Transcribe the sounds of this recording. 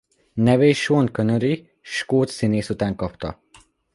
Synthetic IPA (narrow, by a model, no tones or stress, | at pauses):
nɛveːʃonkønøɾi | ʃkoːt̪sineːsut̪aːŋkɒpt̪ɒ̰